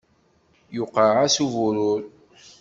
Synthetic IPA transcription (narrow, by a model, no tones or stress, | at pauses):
jʊqəʕasuvʊɾʊɾ